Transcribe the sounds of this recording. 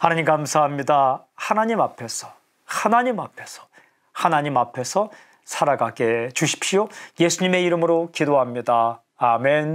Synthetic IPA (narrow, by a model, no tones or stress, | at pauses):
hanaɲimkamsʰaɦamɲida | hanaɲimapʰe̞sʰʌ | hanaɲimapʰe̞sʰʌ̥ | hanaɲimapʰe̞sʰʌ | sʰaɾaɡaɡe̞t͡ɕuɕʰi̥pɕioje̞sʰuɲime̞iɾɯmɯɾokidoɦamɲidaː | men